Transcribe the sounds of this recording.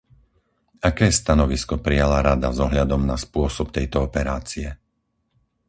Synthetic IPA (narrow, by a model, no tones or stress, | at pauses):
akɛːst̪anɔʋiskɔpɾijalaɾad̪azɔɦʎad̪ɔmnaspʊɔsɔp̚t̪ɛjt̪ɔɔpɛɾaːt͡siɛ